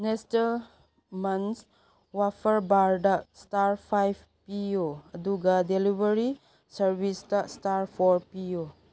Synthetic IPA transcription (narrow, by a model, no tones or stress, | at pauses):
nestɐl | mans | wapʰɐɾbaɾdastaɾpʰajbʰ | pioɐduɡadelibəɾi | sɐɾbistastaɾpʰɔɾpijo